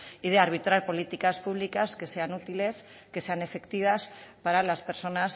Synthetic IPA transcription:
iðeaɾβ̞it̪ɾaɾpo̞lit̪ikaspuβ̞likaske̞seanut̪iles | keseane̞fekt̪iβ̞aspaɾalaspe̞ɾso̞nas

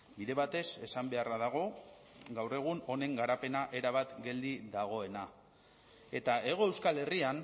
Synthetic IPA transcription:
biðe̞βat̪e̞se̞sambe̞araðaɣ̞o̞ | ɡawre̞ɣ̞uno̞ne̞ŋɡaɾape̞naʔe̞ɾaβ̞at̪ɡe̞ld̪iðaɣ̞o̞e̞na | e̞t̪ae̞ɣ̞o̞e̞wskale̞rian

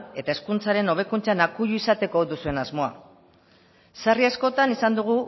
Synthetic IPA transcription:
e̞t̪ae̞skunt͡saɾe̞no̞β̞e̞kunt͡sanakuʎuisat̪e̞ko̞d̪usue̞nazmo̞a | sariasko̞t̪anisand̪uɣ̞u

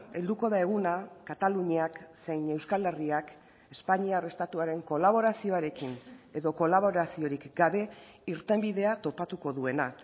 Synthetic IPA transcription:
e̞ld̪uko̞ðae̞ɣunakat̪aluɲiaksejne̞wskale̞riak | e̞spaɲiare̞st̪at̪uaɾe̞ŋko̞laβo̞ɾasio̞aɾe̞kine̞ðo̞ko̞laβo̞ɾasio̞ɾikɡaβe̞ | iɾt̪e̞mbiðe̞at̪o̞pat̪uko̞ðue̞na

